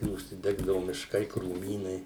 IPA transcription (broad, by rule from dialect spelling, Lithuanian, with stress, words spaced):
ʊʃʲsʲɪˈdʲæːɡdɐʋʊ mʲɪʃˈkɐɪ kruːˈmʲiːnɐɪ